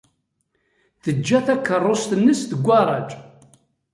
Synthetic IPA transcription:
θəd͡ʒːæθækːərˤːost̪ənːəsθəɡʷːɑɾˤɑd͡ʒ

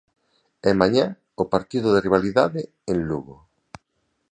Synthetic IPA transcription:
ɛmaɲa | opaɾt̪iðʊðeriβ̞aliðaðe | enluɣo

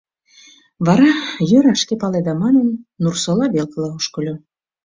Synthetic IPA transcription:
βɑɾɑjøɾɑʃkepɑled̪ɑmɑnə̆nːursolɑβelkəlˠɑuʃkɤ̆lʲo

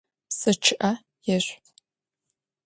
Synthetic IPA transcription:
sɨt͡ʃʰɨʔɐ | jɛɕʷ

